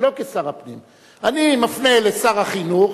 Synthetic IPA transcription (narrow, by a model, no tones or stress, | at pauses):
lo̞kesaʁapnim | animafnelesaʁaχinuχ